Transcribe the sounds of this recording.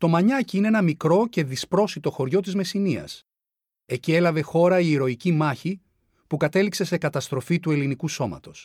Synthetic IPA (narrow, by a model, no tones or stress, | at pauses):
t̪o̞mɐɲɐciineenɐmikɾo̞ce̞ðispɾo̞sit̪o̞xo̞ɾʝo̞t̪̬izme̞siniɐ̰s | e̞cie̞lɐve̞xo̞ɾɐiːɾo̞icimɐçi | pukɐt̪e̞likse̞se̞kɐt̪ɐst̪ɾo̞fit̪ue̞linikuso̞mɐ̰t̪o̞s